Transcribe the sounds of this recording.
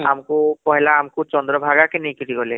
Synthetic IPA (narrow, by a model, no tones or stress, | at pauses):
a̰mkukɔɦelaːmkut͡ʃɔnd̪ɾɔbʱaɡakenejkitiɡɔle